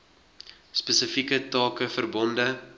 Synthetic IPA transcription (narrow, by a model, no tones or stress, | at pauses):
spəsəfikətɑːkəfərbɔndə